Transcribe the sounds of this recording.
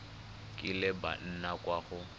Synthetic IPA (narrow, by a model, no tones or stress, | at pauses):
kʼɪlɛba̰n̩nakʼwaːɣʊ